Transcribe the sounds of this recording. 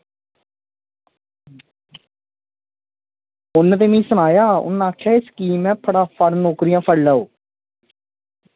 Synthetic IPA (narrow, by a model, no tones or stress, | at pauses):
ʊnt̪eːmĩːsʊñaːjaːʊ̰nːãːkʰɛːɪskiːmɛ̃ːpʰəɽaːpʰəɽnoːkɾijãːpʰəɽlaːoː